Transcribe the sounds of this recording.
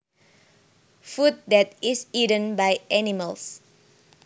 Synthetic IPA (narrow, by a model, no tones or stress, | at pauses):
fut̚dɛtisidə̃nbajʔɛniməls